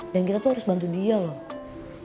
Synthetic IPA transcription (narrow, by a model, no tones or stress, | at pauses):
dankit̪at̪uhaɾʊsbant̪̬udialɔh